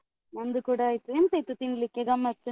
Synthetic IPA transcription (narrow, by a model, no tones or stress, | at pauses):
mɐnd̪ukuːɽaːjt̪ːueːnsɐjt̪ːut̪iɳɖlikːeɡɐmːɐt̪ːu